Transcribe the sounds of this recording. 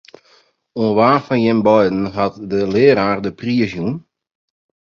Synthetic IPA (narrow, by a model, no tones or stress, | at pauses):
uənʋaːfɔnjɛmbɔjdn̩ɦatdəlɪəɾaːrdəpriəzjun